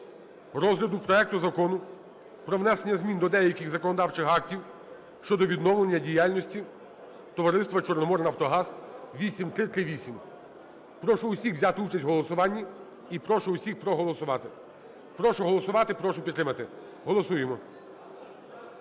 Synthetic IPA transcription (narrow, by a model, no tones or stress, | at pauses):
ɾɔzɦlʲɐd̪ʊpɾɔɛk̚t̪ʊzɐkɔnʊ | pɾɔʋnɛsenʲːɐzmʲind̪ɔd̪ɛjɐkɪɣzɐkɔnɔd̪ɑwt͡ʃɪxɑk̚tʲiw | ʃt͡ʃɔd̪ɔʋʲid̪nɔwlˠenʲːɐdʲijalʲnɔsʲtʲi | t̪ɔʋɐɾɪst̪ʋɐt͡ʃɔrnɔmɔɾnɐwt̪ɔɦɑzʋʲisʲimt̪ɾɪt̪ɾɪʋʲisʲim | pɾɔʃʊʊsʲixʋzʲat̪ɪut͡ʃɐsʲtʲɦɔlˠɔsʊʋɑnʲːi | ipɾɔʃʊʊsʲixpɾɔɦɔlˠɔsʊʋɑt̪ɪ | pɾɔʃʊɦɔlˠɔsʊʋɑt̪ɪpɾɔʃʊpʲit̪ːɾɪmɐt̪ɪ | ɦɔlˠɔsujemɔ